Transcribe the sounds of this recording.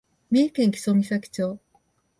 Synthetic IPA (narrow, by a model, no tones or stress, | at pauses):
mʲeːkẽ̞ŋkʲi̥so̞mʲisakʲi̥t͡ɕo̞ː